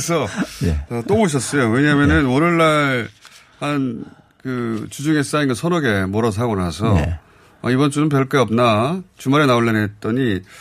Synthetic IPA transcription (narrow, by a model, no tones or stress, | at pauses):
sʰʌjeʌt͈omoɕ̬ʰʌs͈ʌjoweɲamjʌnɯnonɯɭːaɭ | han | kɯt͡ɕud͡ʑuŋe̞s͈ainɡʌsʰʌɾʌɡe̞moɾʌs̬ʰaɡona̰sʰʌ̰ | ʌ̰ibʌnt͡ɕ͈unɯnp̬jʌɭk͈eʌp̚nat͡ɕumaɾe̞naoɭːenet̚t͈ʌɲi